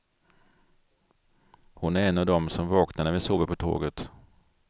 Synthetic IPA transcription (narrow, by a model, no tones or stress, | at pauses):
hʊnæɾɛnːavd̪ɔmsɔmvɑːknad̪əvɪsuːbəpʰɔt̪ʰo̰ːɡət̪